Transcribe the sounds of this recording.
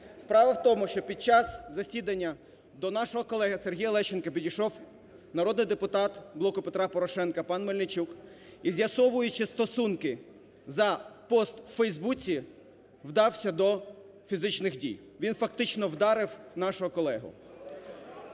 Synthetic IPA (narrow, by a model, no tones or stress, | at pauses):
spɾɑʋɐwt̪ɔmʊʃt͡ʃɔpʲid̪̚t͡ʃɑzzɐsʲid̪ɐnʲːɐ | d̪ɔnɑʃɔɦɔkɔlˠɛɦɪserɦʲijlˠɛʃt͡ʃɪnkɐpʲidʲijʃɔw | nɐɾɔd̪nɪjd̪epʊt̪ɑt̪blˠɔkʊpet̪ɾɑpɔɾɔʃɛnkɐpɑnmɔlʲnɪt͡ʃuk | izʲjɐsɔʋʊjʊt͡ʃɪst̪ɔsunkɪ | zɐpɔst̪wfɛjzbut͡sʲi | wd̪ɑwsʲɐd̪ɔ | fʲizɪt͡ʃnɪxdʲḭj | ʋʲinfɐk̚t̪ɪt͡ʃnɔwd̪ɑɾɪwnɑʃʊɦɔkɔlˠɛɦʊ̰